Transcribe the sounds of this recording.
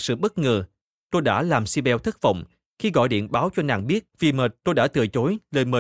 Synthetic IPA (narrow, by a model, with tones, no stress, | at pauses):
sɨ̰˧˨ɓə˦˥t̚ŋəː˨˩ | t̪o˧jɗa̰ː˧˥laː˨˩msi˧ɓɛ˧wt̪ʰə˦˥k̚və̰˧˨wŋ͡m | xi˧ɣɔ̰˧˨jɗḭ˧˨ənɓaː˨˦wt͡ɕɔ˧na̰ː˧˩ŋɓi˦˥ət̚vi˨˩məː˨˩t̚t̪o˧jɗa̰ː˧˥t̪ɨ̰˨˩ət͡ɕo˨˦jləː˨˩jməː˨˩